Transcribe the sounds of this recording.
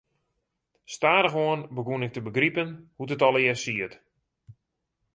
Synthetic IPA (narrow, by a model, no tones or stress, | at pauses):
staːdəxoənbəɡunɪk̚təbəɡripənhutətɔlˠɪəsiət